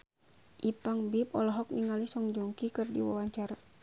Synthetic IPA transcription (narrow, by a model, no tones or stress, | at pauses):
ʔipaŋbipɔlɔɦɔk̚niŋalisɔŋd͡ʒuŋkikɨrdḭwa̰waɲt͡ʃaɾa